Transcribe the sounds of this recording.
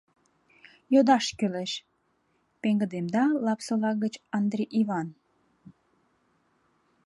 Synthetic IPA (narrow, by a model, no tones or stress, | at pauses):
jod̪ɑʃkyleʃ | peŋɡəd̪emd̪ɑlɑpsəlɑɡət͡ɕɑnd̪ɾeʔiβɑn